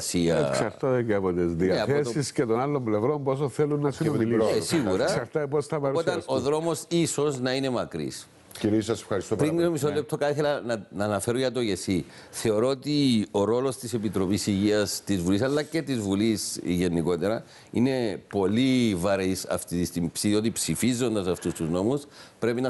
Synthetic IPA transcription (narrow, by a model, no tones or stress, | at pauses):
siɐ̰ksɐɾt̪oðeɡevod̪ezðiɐeɐθeosiscet̪onalːomblevɾo̞mbosoθelunːɐsiomilesiɣuɾɐsɐɾft̪ɐipost̪ɐpɐɾot̪ɐnoðɾo̞mo̞siso̞znɐine̞mɐkɾḭs | ciɾisɐse̥fxɐɾist̪upɾinːisomis̬ollep̚t̪ʰokɐθelɐnɐnɐːnɐfe̞ɾoʝɐt̪o̞ʝesi | θe̞o̞ɾoot̪io̞ɾo̞lo̞st̪isepit̪ɾo̞pisiʝiɐst̪izvulisɐlːɐcet̪izvulisʝe̞nːiko̞t̪e̞ɾɐ | ḭne̞po̞livɐɾisɐ̰ft̪iist̪impsiðiot̪ipsifizːo̞nd̪ɐsɐft̪ust̪uzno̞muspɾe̞pinɐ